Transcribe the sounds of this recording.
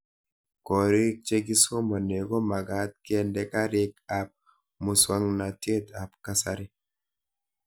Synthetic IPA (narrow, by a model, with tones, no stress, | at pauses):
kɔ˨ɾi˦k̚t͡ʃe˦ɡi˦so˦ma˨ne˨ɡɔ˦ma˨ɡa˨˦t̪̚kɛ˦ndɛ˨ka˦ɾi˦ka˨p̚ | mu˨swa˦ŋna˨te˦t̪a˨pka˦sa˨ɾi˦